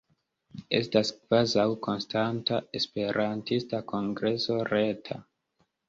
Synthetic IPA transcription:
e̞̰staskv̥azawko̞nstantae̞spe̞ɾʔantistakʰo̞ŋɡɾe̞so̞ɾe̞tʰa̰

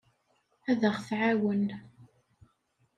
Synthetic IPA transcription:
æðəʁθʕawən

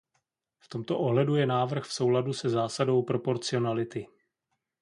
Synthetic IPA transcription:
ft̪o̞mt̪o̞ʔoɦlɛdujɛnaːvr̩xfso̞wladusɛzaːsado̞wpɾo̞po̞ɾt͡sɪo̞nalɪt̪ɪ

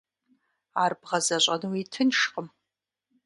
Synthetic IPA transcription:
aːrbʁɐzɐɕʷʼɐnɨwiːtʰɨnʃqʼəm

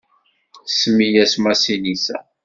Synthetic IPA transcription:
sːəmːijæsmæsinisæ̰

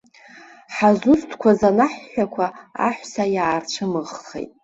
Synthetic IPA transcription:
ħazʊstʰkʷʰazanaħːʷᶣakʷʰaa̰ħʷsajaːrt͡ʃʰɨmɨʁχḛjtʼ

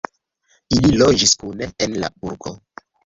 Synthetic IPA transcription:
ililo̞d͡ʒiskuneenla̰uɾko̞̰

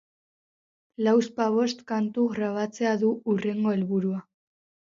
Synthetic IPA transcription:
lawspaβ̞o̞st̪kant̪uɣɾaβ̞at͡se̞aðuure̞ŋɡo̞e̞lβuɾua

